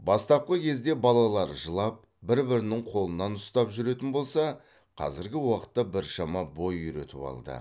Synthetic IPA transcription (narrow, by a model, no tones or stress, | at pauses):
bɑst̪ɑp̚qəkʲʰe̞zd̪e̞bɑlˠɑlˠɑɾʒəlˠɑp̚ | bɪɾbɪɾɪnɪŋqʰo̞lˠənɑnʊst̪ɑpʒʏɾe̞t̪ɪnbo̞lˠsɑ | qʰɑ̰zɪɾɡʲɪwɑqə̥t̪ːɑbɪɾʃɑmɑbo̞jʏɾḛt̪ɪpɑ̰lˠd̪ə̰